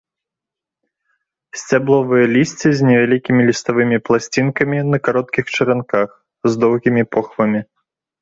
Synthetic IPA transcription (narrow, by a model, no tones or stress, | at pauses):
sʲt͡sʲablˠɔvɨjɐlʲisʲt͡sʲizʲnʲɛvʲalʲikʲimʲilʲist̪avɨmʲiplˠasʲt͡sʲinkɐmʲinɐkaɾɔt̪̚kʲixt͡ʂɨɾʲankax | zd̪ɔwɣʲimʲipɔxvɐmʲi